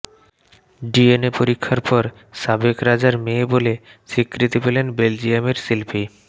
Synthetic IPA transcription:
ɖienepoɾikʰːaɾpɔɾ | sabekɾad͡ʑaɾmebolesikɾit̪ipelenbeld͡ʑiameɾsilpʰi

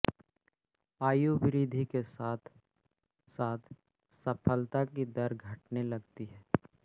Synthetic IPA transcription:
aːjubɪɾiːd̪ʱikesaːt̪ʰ | saːt̪ʰ | sɐpʰəlt̪akid̪ɐɾɡʱɐʈnelɐɡt̪iɦɛː

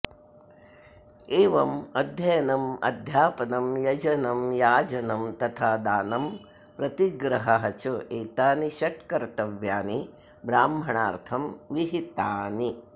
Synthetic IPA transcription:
eːʋɐmɐd̪ʱjɐjɐnɐmɐ̰d̪ʱjaːpɐnɐmjɐd͡ʒɐnɐmjaːd͡ʒɐnɐmt̪ɐt̪ʰaːd̪aːnɐm | pɾɐt̪iɡɾɐɦɐɦɐt͡ʃɐʔeːt̪aːniʃɐʈkɐɾt̪ɐʋjaːni | bɾaːmbʱɐɳaːɾt̪ʰɐmʋiɦit̪aːni

